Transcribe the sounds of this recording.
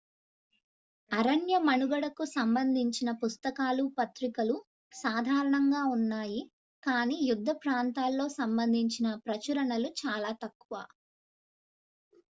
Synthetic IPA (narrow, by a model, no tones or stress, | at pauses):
ɐɾɐɳjɐmɐnuɡɐɽɐkusɐmbɐnd̪ʱiɲt͡ʃinɐpust̪ɐkaːlupɐt̪ɾikɐlu | saːd̪ʱaːɾɐɳɐŋɡaːunːaːji | kaːniːjud̪ʱːɐpɾaːnt̪aːlːo̞ːsɐmbɐnd̪ʱiɲt͡ʃinɐpɾɐt͡ʃɐɾɐɳɐlut͡ʃaːlaːt̪ɐkːuʋaː